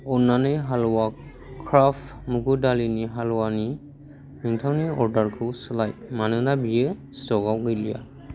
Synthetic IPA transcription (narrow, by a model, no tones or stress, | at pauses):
ɔnanɯjɦalɔwa | kʰɾafmuɡudaliniɦalɔwani | niŋtʰawniɔɾdaɾkʰɯwsɯlajmanɯnabijɯstɔɡawɡɯjlija̰